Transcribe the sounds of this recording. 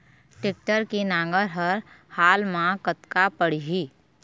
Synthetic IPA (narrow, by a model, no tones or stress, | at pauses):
ʈɪk̚ʈəɾkinãːŋɡəɾɦəɾ | haːlmãkət̪kapəɽ̤iɦiː